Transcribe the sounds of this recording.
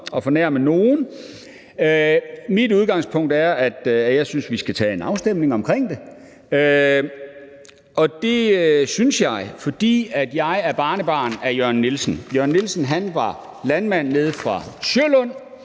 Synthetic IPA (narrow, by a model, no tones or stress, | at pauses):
ɒ̽fɒnæɐ̰məno̝ːn̩ | ømid̥uð̞ˠɡ̥ɑ̈ŋ̰spʰɔ̽ŋ̰d̥æɐæd̥jæjɑ̈ɪsynsʋisɡ̥æt͡sʰɛ̰ːe̝nɑ̈ʊsd̥em̰ne̝ŋɒ̽mkʰʁeŋ̰d̥e̝ | ø | ɒ̽d̥e̝synsjɑ̈ɪfɒ̽d̥ḭːæd̥jɑ̈ɪæɐb̥ɑ̈ːnəb̥ɑ̰̈ːnæɐjœɐnːilsn̩jœɐnːilsn̩ɦænʋɑ̈ | lænmæn̰ːe̝ð̞̩ˠfʁɑ̈sølɔn̰